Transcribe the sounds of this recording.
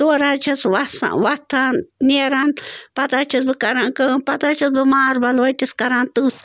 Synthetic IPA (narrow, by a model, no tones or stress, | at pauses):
t̪oɾat͡ʃʰaswasa̰wat̪ʰanneɾanpat̪at͡ʃʰɐsbɨkaɾaŋkənpat̪at͡ʃʰɐsbɨmaɾbalwat̪ʲiskaɾant̪ɨs